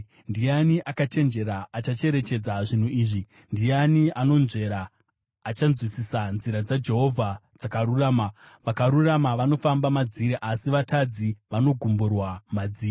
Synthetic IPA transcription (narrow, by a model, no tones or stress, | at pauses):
ndijaniʔakat͡ʃe̞nd͡ʒe̞ɾaːt͡ʃat͡ʃe̞ɾe̞t͡ʃe̞d͡zaʐin̤uiːʐi | ndijaniano̞nʐe̞ɾaː | t͡ʃanzwisisanziɾad͡zad͡ʒe̞ɦo̞vʱad͡zakaɾuraːma | ʋakaɾuramaʋano̞fambamad͡ziɾeʔasiʋatad͡ziʋano̞ɡʱumburwamad͡ziːri